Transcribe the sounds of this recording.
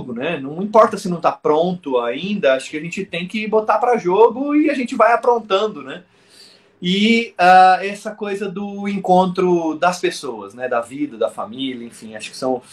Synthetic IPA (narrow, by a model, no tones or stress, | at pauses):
ɡʊnɛnɐ̃w̃ĩpɔɾt̪ɐsɪnɐ̃w̃t̪apɾõnt̪ʊaĩnd̪ɐaʃʊ̥kɪaʒẽnt͡ʃɪt̪ẽj̃kɪbot̪apɾɐʒoɡʊɪaʒẽnt͡ʃɪvajapɾõnt̪ɐ̃nd̪ʊnɛ | ɪaɛsɐkojzɐd̪ʊẽkõnt̪ɾʊd̪ɐspesowɐsnɛd̪ɐvid̪ɐd̪ɐfa̰miliɐẽfĩaʃʊ̥kɪ̥sɐ̃w̃